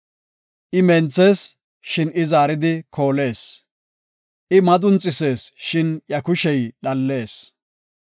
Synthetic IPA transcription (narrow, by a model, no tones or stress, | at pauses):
ʔɪmɛnt͡sːeːs | ʃɪnɪzaːɾɪd̪ɪkʰo̞ːle̞ːs | ʔɪmɐd̪ʼʊnt͡sʼɪse̞ːsʃɪnjɐkʊʃɛjɗɐlːe̞ːs